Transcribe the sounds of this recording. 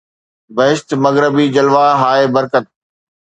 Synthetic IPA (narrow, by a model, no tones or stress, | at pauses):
bɐɦɪʃt̪mɐɣɾəbid͡ʑɐlʋaːɦaːeːbɐɾkət̪̚